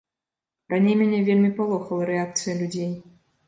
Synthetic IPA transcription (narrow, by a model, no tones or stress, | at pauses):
ranʲejmʲenʲevʲelʲmʲipalˠoxəlˠəɾʲɛak̚t̪sɨjəlʲudʲej